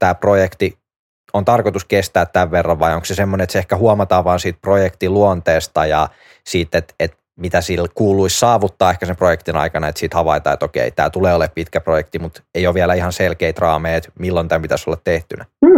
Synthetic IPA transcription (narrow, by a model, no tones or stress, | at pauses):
t̪æːprojekt̪i | ont̪ɑrkot̪uskest̪æːt̪t̪ːæʋʋerːɑʋʋɑioŋksesemːonenet̪seehkæhuɑmɑt̪ɑːʋʋɑːnsiːt̪̚projekt̪iluont̪eːst̪ɑjɑ | siːt̪ːet̪et̪ | mit̪æsilkuːluissɑːʋut̪ːɑːehkæsemprojekt̪inɑ̰ikɑnɑet̪siːt̪hɑʋɑit̪ɑ̰ːet̪okḛit̪æ̰ːt̪uleːoleppit̪kæprojekt̪imut̪eijoʋielæihɑnselkeit̪rɑːmeːet̪milːont̪æmpit̪æsolːɑt̪t̪eht̪ynæː